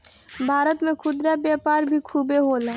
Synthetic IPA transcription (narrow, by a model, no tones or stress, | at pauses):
bʱaːɾət̪mẽkʰʊd̪ɾabjaːpaːɾbʱikʰuːbeɦoːlɛː